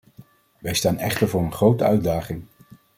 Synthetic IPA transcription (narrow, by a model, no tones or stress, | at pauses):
ʋɛjstaːnɛ̰χtəɹvʊːɹənχrowtəœɥdaːχɪŋ